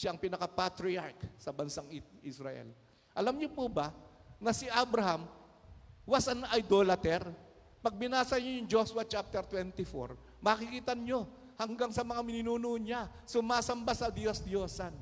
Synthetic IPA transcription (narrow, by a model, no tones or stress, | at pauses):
ʃaʔɐŋpinɐkɐpat̪ɾɪaɹksɐbɐnsaŋʔisɾɐʔɛ̰l | ʔɐlamɲopubɐnɐsɪʔabɾɐɦam | wasɐnʔɐjd̪oːlɐt̪ɛɾ | pɐɡ̚bɪnaːsɐɲojʊŋd͡ʒoswɐt͡ʃap̚t̪ɛɾt̪wɛnt̪ɪfo̰ɹ | mɐːkɪkiːt̪ɐɲɲo̞ | hɐŋɡaŋsɐmɐŋamɪnɪnuːnoʔɲasʊmaːsɐmbasɐd̪jo̞sd̪joːsan